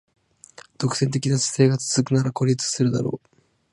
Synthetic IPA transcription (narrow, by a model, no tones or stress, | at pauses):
d̪̥o̞kɯ̟se̞nt̪e̞kʲinasi̥se̞ːɡat͡sɨ̥z̥ɨkɯ̟naɾako̞ɾʲit͡sɨ̥sɨɾɯ̟d̪a̰ɾo̞̰ː